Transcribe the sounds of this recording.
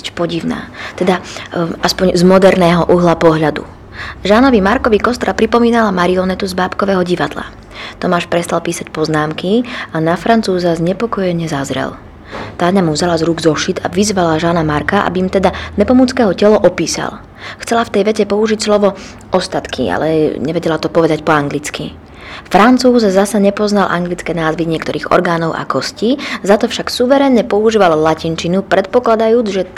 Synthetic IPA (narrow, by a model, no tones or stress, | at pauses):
spɔɟiʊna̰ːt̪ɛd̪aʔaspɔɲzmɔd̪ɛɾnɛːɦɔʔuɦlapɔɦʎad̪ṵ | ʒaːnɔʋimaɾkɔʋikɔst̪ɾapɾipɔmiːnalamaɾiɔnɛt̪uzbaːpkɔʋɛːɦɔɟiʋad̪la̰ | t̪ɔmaːʃpɾɛst̪alpiːsac̚pɔznaːmkianafɾant͡suːzazɲɛpɔkɔjɛɲɛzazɾɛ̰l | t̪aːɲamuvzalazɾuɡzɔʃid̪a̰ʋizʋalaʒaːnamaɾkaʔa̰bimt̪ɛd̪aɲɛpɔmut͡skɛɦɔcɛlɔʔɔpiːsa̰l | xt͡sɛlaft̪ɛjʋɛcɛpɔuʒicslɔʋɔ | ɔst̪at̪kʰḭa̰lɛɲɛʋɛɟɛlat̪ɔpɔʋɛd̪acpɔaŋɡlit͡ski | fɾant͡suːzzasaɲɛpɔznalʔaŋɡlit͡skɛːnaːzʋiɲɪɛkt̪ɔɾiːɣɔ̰ɾɡaːnɔʊʔa̰kɔsciːzat̪ɔfʃaksuʋɛɾɛɲɲɛpɔuʒiːʋallacint͡ʃinupɾɛt̪̚pɔklad̪ajuːd͡zʒɛ